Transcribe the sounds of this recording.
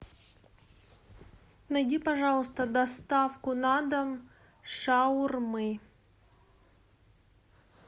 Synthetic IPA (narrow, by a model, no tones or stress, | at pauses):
nɐjdʲipɐʐɑlˠəst̪əd̪ɐst̪afkʊnad̪əm | ʂaʊrmɨ